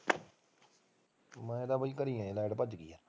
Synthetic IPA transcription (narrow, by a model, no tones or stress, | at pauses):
mɛ̃ːed̪aːbəiːkəɾiːãːelɛːɖpəd͡ʒɡiːaː